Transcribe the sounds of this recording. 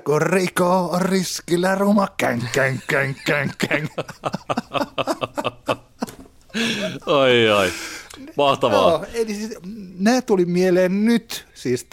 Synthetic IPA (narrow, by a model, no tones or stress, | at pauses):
kurrikoːriskilːærumɑkæŋkːæŋkːæŋkːæŋkːæŋ | oiɑimɑht̪ɑʋɑoːelisinæːt̪ulimieleːnnyt̪siːst̪